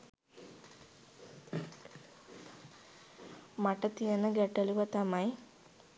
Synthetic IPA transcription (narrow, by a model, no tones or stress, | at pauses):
mɐʈːɐt̪ijɐnːɐɡeʈːɐluʋɐt̪ɐmɐj